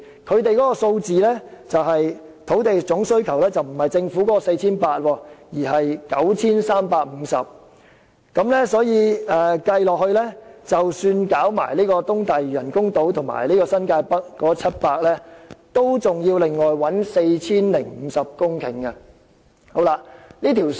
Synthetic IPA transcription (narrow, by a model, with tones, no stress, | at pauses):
kʰɵ˨˧ɥt̪e˨jkɔː˨˥kɔː˧so˧wt͡siː˨lɛː˥t͡sɐ˨wɦɐ˨j | t̪ʰo˨˥wt̪e˨jt͡sʊ˨˥ŋsɵ˥ɥkʰɐ˨˩wlɛː˥t͡sɐ˨wm̩˨˩hɐ˨˩jt͡sɪ˧ŋfu˨˥kɔ˨˥kɔː˧se˧jt͡sʰiː˥npaː˧t̚wɔː˧jiː˨˩ɦɐ˨jkɐ̰˨˥wt͡sʰiː˥nsaː˥mpaː˧k̚m̩˨˧sɐ˨p̚ | kɐ˨˥mlɛː˥sɔː˨˥jiː˨˧ɛ˨kɐ˧jlɔː˨k̚hɵ˧ɥlɛː˥t͡sɐ˨wsyː˧nkaː˨˥wma̰ː˨˩jliː˥kɔː˧t̪ʊ˥ŋt̪ɐ˨jjɐ˨˩nkʊ˥ŋt̪o˨˥wt̪ʰʊ˨˩ŋma̰ː˨˩jliː˥kɔː˧sɐ˥nkaː˧jpɐ˥k̚ːɔː˨˥t͡sʰɐ˥t̚paː˧k̚lɛː˥t̪o˥wt͡sʊ˨ŋjiː˧wlɪ˨ŋːɔː˨jwɐ˨˥nse˧jt͡sʰiː˥nlɪ˨˩ŋm̩ː˨˧sɐ˨p̚kʊ˥ŋkʰɪ̰˨˩ŋkɐ˧ | ho˨˥wla˧liː˥t̪ʰiː˨˩w